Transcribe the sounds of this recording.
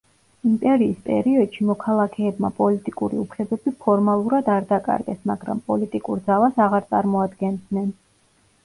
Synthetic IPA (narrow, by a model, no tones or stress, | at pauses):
impʼɛɾiːspʼɛ̰ɾiɔd̪̥ʃimɔkʰalˠakʰɛːbma̰pʼɔlit̪ʼikʼuɾḭupʰlɛbɛbipʰɔɾmalˠuɾad̪aɾd̪akʼa̰ɾɡɛsmaɡɾa̰mpʼɔlit̪ʼikʼuɾd̪zalˠasaʁaɾt̪sʼaɾmɔad̪ɡɛnd̪nɛn